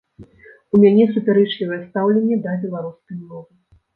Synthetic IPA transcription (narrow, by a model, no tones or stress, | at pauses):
umʲanʲɛsupʲaɾɛt͡ʂlʲivɐjɛst̪awlʲenʲːɛd̪ɐbʲɛlˠaɾuskɐjmɔvɨ